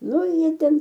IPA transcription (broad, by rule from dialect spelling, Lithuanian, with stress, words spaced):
ˈnʊ ˈjiɛ ˈtʲɛn